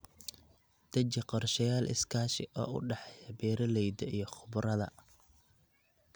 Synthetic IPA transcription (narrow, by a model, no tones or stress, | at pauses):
d̪̥ɐt͡ʃɪqɔrʃɐjaːlʔɪ̰skʰaːʃɪʔɔ̰ːʊ̰ɖɑħɛjɐbɛːɾɐlɛjd̪ɐijɞχʊbɾɐðɐ̰